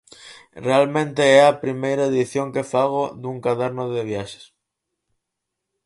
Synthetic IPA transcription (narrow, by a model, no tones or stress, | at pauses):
realmẽnt̪eeapɾimejɾaeðiθjoŋke̞faɣ̞od̪uŋkaðaɾnoðeβ̞jaʃe̥s